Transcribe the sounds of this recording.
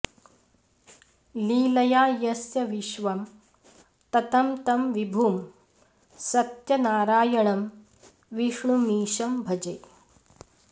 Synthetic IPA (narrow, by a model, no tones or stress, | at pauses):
liːlɐjaːjɐsjɐʋiʃʋɐm | t̪ɐt̪ɐmt̪ɐmʋibʱuːm | sɐt̪jɐnaːɾaːjɐɳɐm | ʋiʂɳumiːʃɐmbʱɐd͡ʒɐj